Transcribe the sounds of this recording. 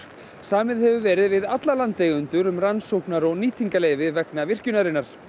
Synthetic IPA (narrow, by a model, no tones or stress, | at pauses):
saːmɪðhɛvʏvɛːɾɪðvɪðat̪lalant̪ːeːjɣʏnt̪ʏɾʏmransowknaɾɔɣniːt̪ʰiŋkaleːjvɪvɛknavɪr̥cʏnaɾɪnːaɾ̥